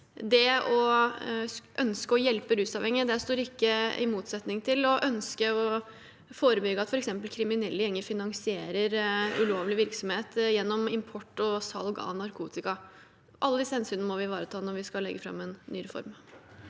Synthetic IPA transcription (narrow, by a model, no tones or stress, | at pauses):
d̪ɛɔ | ʔœnskəɔjɛlpəɾʉːsɑːʋɛŋːɪəd̪æst̪oːɾɪkːəɪ̰muːt̪sɛt̪nɪŋt̪ʰɪlɔʔœnskəɔ | foːɾəbʏɡəɑt̪fɔɾɛksɛmpəlkʰɾɪmɪnɛlːəjɛŋːəfɪnɑŋsɪeːɾəɾʉloːʋlɪʋɪɾksɔmheːt̪jɛnːɔmɪmpʰɔʈːɔsɑ̰lɡɑ̰nɑɾkʰuːt̪ɪkɑ | ʔɑlːəd̪ɪsəhɛnsyːnəmɔʋɪʋɑːɾət̪ʰɑːnɔʋɪskɑlɛ̰ɡːəfɾɑ̰mɛnːyːɾɛfɔ̰ɾm